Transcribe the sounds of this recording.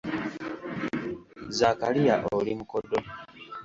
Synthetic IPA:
zakalijaʔolimukodo

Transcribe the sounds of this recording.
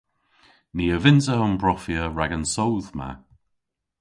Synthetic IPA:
niːəvɪnsəʊmbɹɔfiəɹaɡənsɔwðma̰

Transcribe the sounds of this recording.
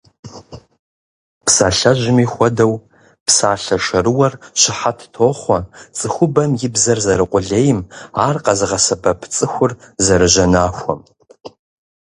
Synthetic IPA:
pʰsaːɬɐʒʷɪmixʷɔdɐw | pʰsaːɬɐʃɐɾɨwɐrʃɪħatʰtʰoːχʷɐt͡sʼɨxʷʊbɐmjɪbzɐrzɐɾɨqʷʼʊɮeːjɪmaːrqʼɐzɨʁɐsɐbɐpʰt͡sʼɨxʷʊrzɐɾɨʒɐnaːxʷɔm

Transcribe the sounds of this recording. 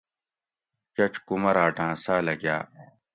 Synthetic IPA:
t͡ɕɐt͡ɕkumɐɾaːʈãːsaːlɐɡja̰ː

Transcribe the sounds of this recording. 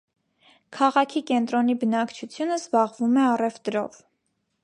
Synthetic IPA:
kʰɑʁɑkʰikɛnt̪ɾɔnibənɑkt͡ʃʰut͡sʰjunəzbɑʁvumɛɑrɛvt̪ɾɔ̰v

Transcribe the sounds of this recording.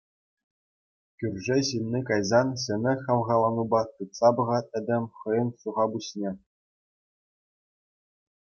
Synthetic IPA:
kʲyrʲʐeɕilʲnʲikɑjzɑnɕɘ̆mʲɘ̆xʲɑlˠʁɑlˠɑnubɑt̪ɯt̪sɑbɤ̆ʁɑt̪̚ʲɘ̆d̪ʲɘ̆mʲχɤ̆jɤ̆nɕuʁɑbuɕnʲe

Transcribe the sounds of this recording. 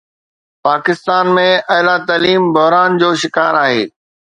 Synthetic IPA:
paːkɪst̪aːnmẽʔɐɦlat̪aːliːmbɐɦɾaːnd͡ʑoːʃɪkaːɾaːɦḛː

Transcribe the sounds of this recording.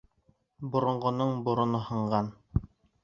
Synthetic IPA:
bŏɾŏɴɢŏnɤɴbŏɾŏnoɦɤ̆ɴɢɑn

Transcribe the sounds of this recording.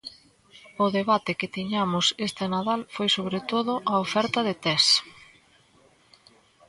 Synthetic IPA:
ʊðeβat̪ɪkɪt̪iɲamʊsest̪enaðalfojsoβɾet̪oðʊʔɐofɛɾt̪ɐðet̪ɛs

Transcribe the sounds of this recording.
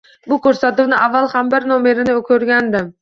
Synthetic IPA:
bʊkʰʲɵɾsat̪uwnɪʔavːalˠhambɪɾnome̞ɾɪnɪkʰʲɵɾɡʲand̪ɪm

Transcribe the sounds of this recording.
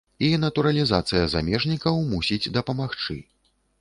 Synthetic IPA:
inɐt̪uɾɐlʲizat̪sɨjɐza̰mʲɛʐnʲikɐwmusʲid͡zʲd̪ɐpɐmaxt͡ʂɨ̰

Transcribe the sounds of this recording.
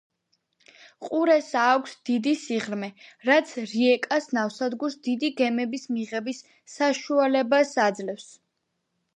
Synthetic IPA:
qʼuɾɛsaːkʷʰsd̪̥id̪isiʁɾmɛɾat̪sʰɾiɛkʼasnafsad̪ɡuɾsd̪id̪iɡɛmɛbismiʁɛbisː | aʃualɛbasad̪zlɛfs

